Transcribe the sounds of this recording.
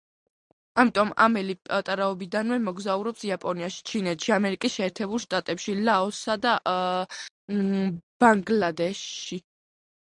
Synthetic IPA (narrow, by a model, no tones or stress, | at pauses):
amit̪ʼɔma̰mɛlipʼat̪ʼaɾaɔbid̪anwɛmɔɡzauɾɔpsiapʼɔniaʃi̥t͡ʃʰinɛt̪ʃiamɛɾikʼisʃɛːɾt̪ʰɛbulˠʃt̪ʼat̪ʼɛpʃilaɔsad̪a | b̥aŋɡlad̪ɛʃi